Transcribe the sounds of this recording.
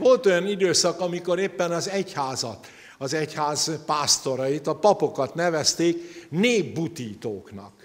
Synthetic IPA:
vo̞lt̪o̞jɒnid̪øːsɒkɒmiko̞ɾeːpːɛnɒzɛchaːzɒt̪ | ɒzɛchaːzpaːst̪o̞ɾɒjit̪ɒpɒpo̞kɒt̪nɛvɛst̪eːkneːbːut̪iːt̪oːknɒ̰k

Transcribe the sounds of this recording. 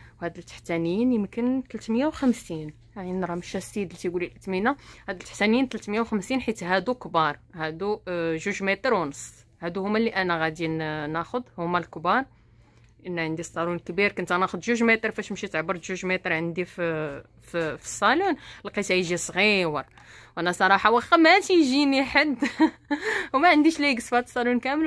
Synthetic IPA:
whæd̪əlt̪ːə̥ħt̪ænjinjəmkənt̪əlt̪məjːawxəmsin | ʕinɾˤɑməʃæsid̪lit̪iɡulilʔət̪minahæd̪əlt̪ːaħt̪ænjint̪lt̪məjawxəmsinħit̪ɦæd̪ukbɑɾˤhæd̪uʒuʒmit̪ɾwnəsˤː | hæd̪uhʊmːæliʔænæɣæd̪inæxʊd̪hʊmːælkbɑɾˤ | ʔənːæʕənd̪isˤːɑlunkbiɾkʊnt̪ænæxʊd̪ʒuʒmit̪ɾˤfæʃmʃit̪ʕbːəɾt̪ʒuʒmɛt̪ɾˤʕənd̪if | ffi̥sˤːɑlunəlqit̪æjʒisˤɣiwəɾˤ | wʔænæsˤɑɾˤɑħɑwɑxæmæt̪ʒiniħad̪ | mæʕənd̪iʃliɡəsfhæt̪sˤːɑlunkæməl

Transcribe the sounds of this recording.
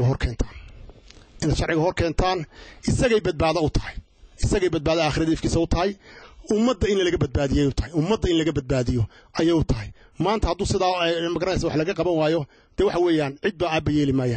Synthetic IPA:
ɣɐɦɔrkʰɛːnt̪ʰḁːn | ɪnɐd̪ʃɑrʕɪɣɐɦɔrkʰɛːnt̪ʰaːnʔɪsɐɣɛjbɐd̪̚baːðɐʊt̪ʰɐ̥hɛj | ɪsɐɣɛjbɐd̪̚baːðɐaːχɪɾɐðɐɪfkʰiːsɐʊt̪ʰɐɦɐjʊmːɐd̪ːɐɪnlɐlɐɣɐbɐd̪̚baːðɪjɔːjʊt̪ʰɐhɪjʊmːɐd̪ːɐɪnlɐɣɐbɐd̪̚baːðɪjɔʔɐjɛjʊt̪ʰɐɦɪj | maːnt̪ʰɐhɐd̪uːsɪðaːɛmɐɡɐɾɐnɛjsaːwɑħlɐɣɐqɑβɐnwaːjɔ | d̪̥ɛːwɑħɑwɛːjaːnʕɪd̪̚baaːbɐjɛːlɪmaːjaːn

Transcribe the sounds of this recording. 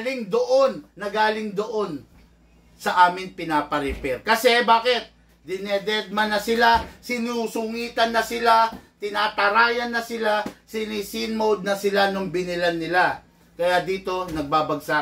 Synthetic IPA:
lɪŋd̪oʔo̞nːɐɡaːlɪŋd̪oʔo̞n | sɐʔaːmɪŋpɪnaːpɐɾɛpɛɾkɐsɛbaːkɪt̪̚ | d̪ɪnɛd̪ɛd̪̚mɐnːɐsɪlasɪnusʊŋiːt̪ɐnːɐsɪlat̪ɪnaːt̪ɐɾaːjɐnːɐsɪlasɪniːsinmod̪̚nɐsɪlanoŋbɪnɪlɐnːɪla | kɐjad̪iːt̪o̞nɐɡ̚baːbɐɡsa

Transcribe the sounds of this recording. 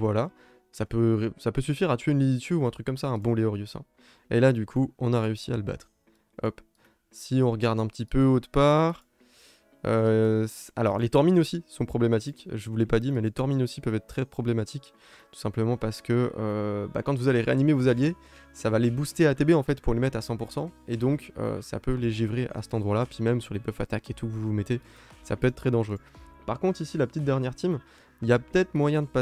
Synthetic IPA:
vwala | sapøsapøsyfiʁat̪ɥeynlizt̪yʁuɛ̃t̪χykːɔmsaɛ̃bɔ̃leɔʁjysɛ̰̃ | elad̪ykʰuɔ̃naʁeysia̰ləba̰t̪χ | ɔ̰p | siɔ̃ʁəɡaʁd̪ɛ̃pə̥t̪ipøot̪paːʁ | ø | a̰lɔ̰ʁlet̪ɔʁminosisɔ̃pχɔblemat̪ikʒəvulɛpad̪iʁmɛlet̪ɔʁminosipœvɛt̪χt̪χɛpχɔblɛmat̪ʰik | t̪u̥sɛ̃pləmɑ̃paʁsə̥kəø̰ba̰kɑ̃t̪vuzaleʁeanimevozalje | savalebust̪eat̪ebeɑ̃fɛt̪puʁlemɛt̪χasɑ̃puʁsɑ̃ed̪ɔ̃kø̰sa̰pøleʒivʁeʔa̰sə̥t̪ɑ̃d̪ʁwalapɥimɛmsyʁlebœfat̪aket̪ukəvuvumet̪e | sa̰pøɛt̪̚t̪ːχɛd̪ɑ̃ʒʁøpaʁkɔ̃t̪χisilapə̥t̪it̪̚d̪ɛʁnjɛʁt̪im | iljapə̥t̪ɛt̪χmwajɛ̃d̪əpa

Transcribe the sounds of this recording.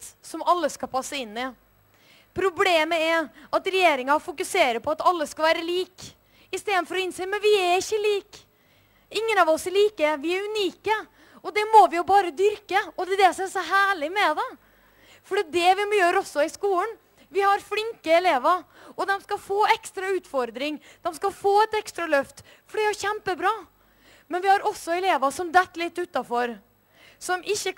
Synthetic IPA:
sɔmɑlːəskɑpʰɑsːəɪnːɪ | pʰɾʊbleːməɛɾʔɑt̪ɾɛjeːɾɪŋɑfʊkʉseːɾəpʰɔɑt̪ɑlːəskɑʋæːɾəliːk | ɪst̪eːd̪nfɔɾɔɪnseːmɛnʋɪæɾɪçːəliːk | ɪŋːənɑʋɔsɛɭiːkəʋɪæɾʉniːkə | ɔd̪ɛmɔʋɪjʊbɑːɾəd̪ʏɾkəɔd̪ɛd̪ɛsɔmɛsɔɦæːɭɪmɛd̪ɛ | fɔɖiːt̪̚d̪ɛʋɪmjøːɾɔsːɔɪskuːən | ʋɪhɑɾflɪŋkəɛleːʋəɔd̪ɛmskɑfoːɛkst̪ɾɑʉːt̪fɔɾd̪ɾɪŋ | d̪̥ɛmskɑfoːɛt̪ɛkst̪ɾɑlœft̪ | fɔɖɛhæɾçɛmpəbɾɑː | mɛnʋɪhɑɾɔsːɔɛleːʋəsɔmd̪ɛt̪ːlɪt̪ːʉːt̪ɑfɔɾ | sɔmʔɪçːə

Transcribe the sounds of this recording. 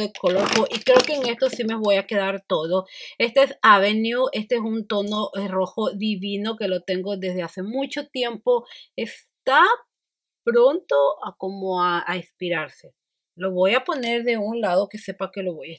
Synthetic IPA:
ðekʰolokoʔikɾe̞oke̞ːŋe̞st̪o̞sime̞βo̞jake̞ðaɾt̪o̞ðoe̞st̪eesaβe̞njue̞st̪eesunt̪o̞no̞ʔro̞xo̞ðiβino̞ke̞lo̞t̪e̞ŋɡo̞ðe̞zðe̞ase̞mut͡ʃo̞t̪je̞mpo̞es | t̪a | pɾo̞nt̪oako̞moaaispiɾaɾse̞ | lo̞βo̞japo̞ne̞ɾðe̞unlaðo̞ke̞se̞pake̞lo̞βoj

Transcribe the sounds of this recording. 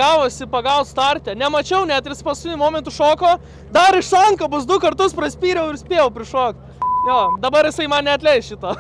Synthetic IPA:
ɑːʋoːsʲɪpɐɡɐʊt̪st̪ɑrʲt̪ʲɛnʲɛmɐt͡ʃʲɛʊnʲɛt̪jʲɪspɐskʲɪnʲʊmoːmʲɛnt̪ʊʃoːkoː | d̪ɐɾɪʃsɐŋkɐbʊsd̪ʊkɐrt̪ʊspɾɐsʲpʲiːɾʲɛʊɪɾsʲpʲeːjɛʊpʲɾʲɪʃoːkt̪ | joːd̪ɐbɐɾjɪsɐɪmɐnnʲɛɐt̪ʲlʲɛɪsʃʲɪt̪oː

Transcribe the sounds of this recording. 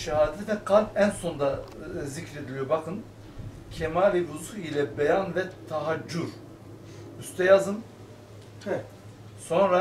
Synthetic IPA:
ʃaɦaːd̪ʲvɛkʰalʲpænso̞nd̪azicɾe̞d̪ilʲijobakʰɯn | cʰemaːlʲibuzuilʲɛbejanvɛt̪ʰaɦad͡ʒːuɾ | yst̪ʰɛjazɯn | so̞nɾa

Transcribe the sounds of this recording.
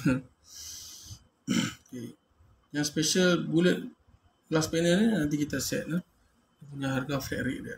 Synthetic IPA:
ke | jaŋspeʃəlbulət̪̚ | laspɛnəninant̪̬ikit̪asɛ̰t̪̚lah | dupuɲaɦarɡaflɛ̰ʔɾḭʔ̚dɛ

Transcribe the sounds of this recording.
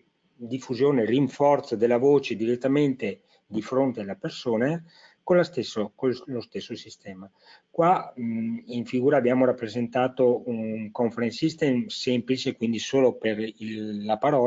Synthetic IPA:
d̪ifːuzjoːneriɱfɔrt̪sod̪elːavoːt͡ʃed̪iɾet̪ːament̪e | d̪ifɾont̪ealapersoːne | konlːast̪esːokollost̪esːosist̪ɛːma | kwa | iɱfiɡuːɾaːbːjaːmoɾapːɾezent̪aːt̪oukoɱfeɾensist̪emsɛmplit͡ʃekwind̪isoːloperiːapaɾɔː

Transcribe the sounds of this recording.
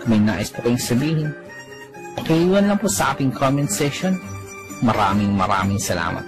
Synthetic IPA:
mɐjna̰ːʔɪspʊkɐjʊŋsɐbiːhɪn | pɐkɐʔiːwɐnlɐŋpʊsɐʔaːt̪ɪŋkʰomɛnsɛʃon | mɐɾa̰ːmɪŋmɐɾa̰ːmɪŋsɐla̰ːmɐ̰t̪̚

